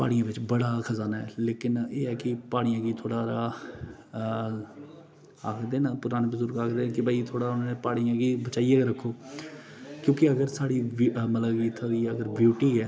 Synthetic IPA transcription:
pa̰ːɽijãːʋɪt͡ʃbəɽaːkʰəzaːnaːɛːleːkɪneːɛːkɪpaːɽ̃ijãːɡiːt̪ʰoːɽaːɾaː | aːkʰd̪eːnapʊɾaːneːbəzʊɾɡaːkʰd̪ẽːkɪbaːit̪ʰoːɽaːʊnãːnepaːɽ̃ijãːɡiːbət͡ʃaːijaːɡɾəkʰːoː | kjõːkɪəɡəɾsaːɽiːməlaɡiːt̪ʰaiːəɡəɾbjuːʈiːɛː

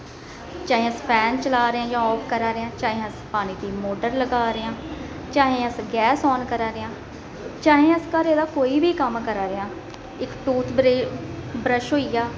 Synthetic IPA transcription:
t͡ʃaːɦẽːəspʰɛːnt͡ʃəlaːɾãːd͡ʒãːɔːpʰkəɾaːɾeãːt͡ʃaːɦẽːəspaːñiːd̪iːmoːɖəɾləɡaːɾɪãː | t͡ʃaːɦẽːəsɡɛːsɔːnkəɾaːɾeãː | t͡ʃaːɦẽːəskaɾeːd̪aːkoːiːbiːkəmkəɾaːɾeaː | ɪkʈuːt̪ʰɾ | bɾəʃɦoːijaː

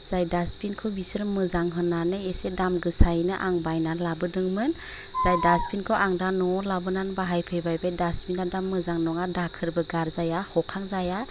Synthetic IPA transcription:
z̥ajdaspinkʰɯwbisɯɾmɯzaŋɦɯnːanɯesedamɡɯsajnɯʔaŋbajnalabɯdɯŋmɯn | z̥ajdaspinkʰɯwʔaŋdanɔlabɯnanbaɦajpʰɯjbajbajdaspinadamːɯzaŋnɔŋadakʰɯɾbɯɡaɾzajahɔkʰaŋzaja

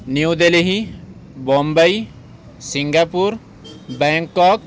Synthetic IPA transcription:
niud̪eliɦibɔmbəj | siŋɡapuɾ | beŋkːɔk̚

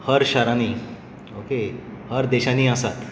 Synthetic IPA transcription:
həɾɕaɾaniː | okehəɾd̪eɕaniːəsat̪

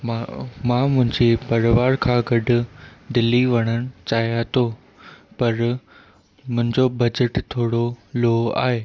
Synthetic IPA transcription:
mamãːmʊ̃ɦɪ̃ɲd͡ʑepɐɾʋaːɾkʰãɡɐɖʱʊ̆d̪ɪlːiʋɐɽ̃əɽ̃ɪ̆t͡ɕaːɦjat̪ʰo | pɐɾ | mʊ̃ɦɪ̃ɲd͡ʑobɐd͡ʑəʈt̪ʰoːɽoloa̰ːɦeː

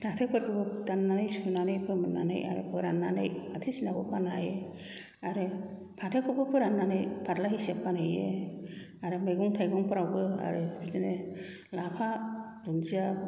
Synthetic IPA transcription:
tʰatʰek̚pɯɾpʰɯbɯdanːanɯjsunanɯjpʰɯmɯnːa̰nɯ̰jʔa̰ɾɯ̰pʰɯɾanːanɯ̰jatʰisinabɔ̰panaje | aɾɯ | pʰatʰekʰɔbɯpʰɯɾanːanɯjpʰadlaɦisepːanɯjḛ | aɾɯmeɡɔŋtʰajɡɔŋpɔɾawbɯa̰ɾɯbizene | lapʰadunzia

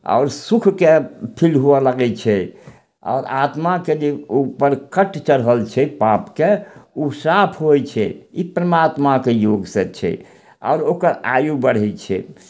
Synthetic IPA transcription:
a̰ʊɾsukʰkepʰilɦuɔlaɡɛt͡ʃʰɛ | a̰ʊɾat̪maked͡ʒeupəɾkəʈt͡ʃəɾɦəlt͡ʃʰɛpapkeusapʰɦojt͡ʃʰɛ̰ipɾəmat̪makejoɡsɛt͡ʃʰɛ̰ | a̰ʊɾokəɾa̰jubəɽ̤ɛt͡ʃʰɛ̰

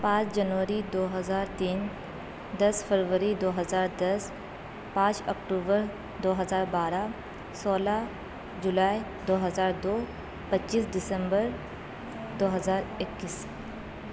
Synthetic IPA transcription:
pãːt͡ʃd͡ʒɐnʋəɾid̪oːɦɐzaːɾt̪iːn | d̪ɐsfʰəɾʋəɾid̪oːɦəzaːɾd̪ɐs | pãːt͡ʃɐkʈuːbəɾ | d̪oːɦɐzaːɾbaːɾa | sɔːla | d͡ʒʊlaːi | d̪oːɦəzaːɾd̪oː | pɐtːʃiːsɖɪsə̃mbəɾ | d̪oːɦɐzaːɾɪkːɪs

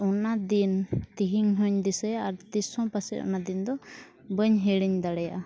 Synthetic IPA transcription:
ɔnad̪int̪iɦiŋɦɔɲd̪isɛjaʔaɾt̪isɔ̃pasɛ̰ʔɔ̰nad̪ind̪ɔ | bəɲɦɛɽiɲd̪aɽɛja̰ʔa

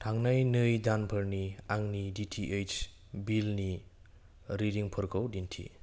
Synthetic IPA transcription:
tʰaŋnajnɯjdanpʰəɾniaŋniditʰiʔejt͡ʃ | bilni | ɾidiŋpʰɯɾkʰawdintʰḭ

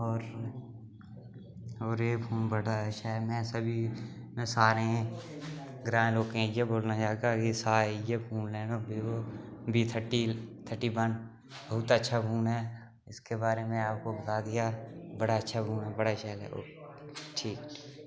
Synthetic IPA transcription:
ɔːɾ | ɔːɾeːbʱuːnbəɽaʃʰamɛ̃ːsəbʱi | mẽsaːɾẽ | ɡɾãːloːkẽjeboːlnad͡ʒaːeɡakisaːejebʱuːnlɛːnõbiobʱit̪ʰəʈit̪ʰəʈiʋən | bəɦʊt̪ətːʃʰabʱuːnɦɛː | ɪskebaːɾemẽaːp̚kobət̪aːd̪ɪjabəɽaətːʃʰabʱuːnɦɛbəɽaʃɛːlɛ̰oː | ʈʰiːkʈʰiː

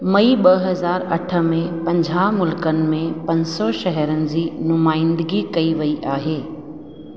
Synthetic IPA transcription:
mɐiɓɐɦɐzaːɾɐʈʰə̆mẽpɐ̃ɲd͡ʑʱaːmʊlkənɪ̆mẽpɐ̃ɲsɔʃɐɦɛɾənɪ̆d͡ʑiːnʊmaːɪ̃nd̪əɡikɐiʋɐiʔaːɦeː

